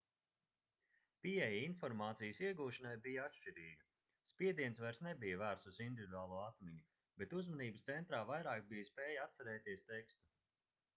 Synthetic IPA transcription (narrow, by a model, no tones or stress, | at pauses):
piɛjainfɔɾmaːt̪sijəsiɛɡuːʃanajbijaat̪ʃt͡ʃiɾiːɡɐ | spʲiɛd̪iɛnsvaɾsnebijəvæːɾt̪suzind̪ʲivʲid̪uaːlˠuɔat̪mʲiɲu | bet̪uzmaniːbəst̪sɛnt̪ɾaːvajɾaːkbijspeːjaat̪saɾɛːt̪iɛst̪ekst̪u